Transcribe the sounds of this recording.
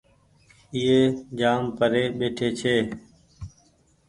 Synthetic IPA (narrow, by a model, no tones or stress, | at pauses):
ɪːeːd͡ʒaːmpəɾeːɓeːʈʰeːt͡ʃʰeː